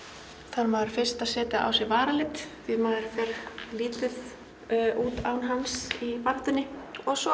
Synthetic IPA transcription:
θaɾmaːðɾ̥fɪr̥st̪aðsɛːt̪ɪʔa̰ːwsɛvaːɾalɪt̪fvɪðmaːɾfɪɾliːt̪ɪð̥ | ʔuːt̪aːwnɦansipat̪ʏnːɪɔɣsɔ

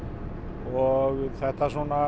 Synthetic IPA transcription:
ɔɣθɛht̪asɔna

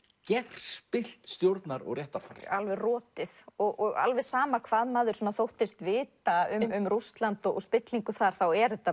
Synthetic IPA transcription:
cɛɾ̥spɪl̥t̪st̪jowɾt̪naɾɔ̰ɣrjɛht̪aɾ̥fa̰r̰alvɛrɔːt̪ɪθɔɣɔɣa̰lvɛsaːmakʰvaːðmaːðʏɾ̥sɔːnaθowht̪ɪst̪vɪːt̪aʏmʏmrust̪lant̪ɔɔ̰spɪt̪liŋkʏθaɾ̥θawɛɾðɛt̪ːa

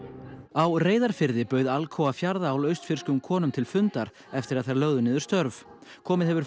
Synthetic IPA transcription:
awreːjðaɾ̥fɪɾðɪpœɥðalkʰɔwafjaɾðaːwlœɥst̪fɪɾ̥skʏmkʰɔːnʏmt̪ʰɪlfʏnt̪aɾ | ɛft̪ɪɾaðθaɾlœɣðʏnɪːðʏ̥st̪œɾv | kʰɔːmɪðhɛvʏɾ̥

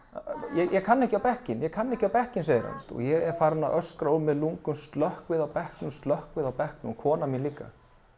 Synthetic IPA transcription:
jɛjʔɛkʰanːɛhcɪawpɛhcɪnjɛkʰanːɛhcɪawpɛhcɪnseːjɪɾha̰nst̪ɔ̰ɣjɛɣɛɾfaːɾnaʔœskɾaʏmːɛðluŋkʏmst̪lœhkvɪðawpɛhknʏmst̪lœhkvɪðawpɛhknʏkʰɔːnamjɛnliːkːa̰

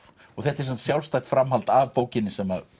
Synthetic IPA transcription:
ɔɣθɛht̪ɛɾsam̥t̪sjawlst̪ajt̪fɾamɦalt̪avpoːwcɪnːɪsɛmːa

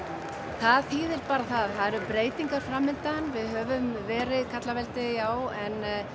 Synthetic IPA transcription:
θaðhiːðɪlpaːɾaθaðθaðɛɾʏmpɾeːjt̪iŋkaɾ̥fɾamːɪnt̪anvɪðhœvʏmvɛːɾɪðkʰat̪lavɛlt̪ɪjaːwɛn

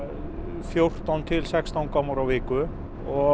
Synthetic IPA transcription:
fjowr̥t̪awnt̪ʰɪlsɛkst̪awnkʰɔwmaɾawvɪːkʏ | ɔ

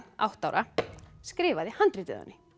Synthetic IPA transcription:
a̰wht̪awɾʔaskɾɪːvaðɪhant̪ɾɪt̪ɪ̰ða̰nːɪ

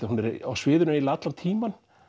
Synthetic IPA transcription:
hunɛɾawsvɪːðʏɾnailat̪laɾt̪ʰiːman

